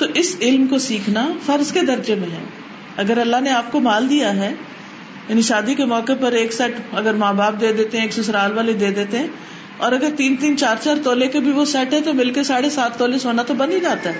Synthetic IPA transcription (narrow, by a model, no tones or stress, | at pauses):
t̪oːʔɪsɪlmkosiːkʰnafɐɾzked̪ɐɾd͡ʒemẽɦɛ̰̃ː | ɐɡəɾɐlːaɦneaːp̚komaːld̪ijaɦɛː | jaːniʃaːd̪ikemɔːkepɐɾeːksɛʈɐɡəɾmaːbaːp̚d̪eːd̪eːt̪eɦɛ̃eːksʊsɾaːlʋaːled̪eːd̪eːt̪eɦɛ̃ː | ɔːɾɐɡəɾt̪iːnt̪iːnt͡ʃaːɾt͡ʃaːɾt̪oːlekebʱiʋosɛʈɦɛ̃t̪omɪlkesaːɽesaːt̪ːoːlesɦoːnat̪obɐ̃nd̪id͡ʒaːt̪aɦɛː